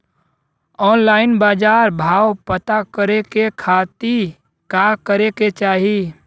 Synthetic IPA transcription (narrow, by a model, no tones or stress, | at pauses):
ɔːnlaːɪnbaːd͡ʒaːɾbʱaːwpət̪akəɾekekʰaːt̪i | kakəɾeket͡ʃaːɦi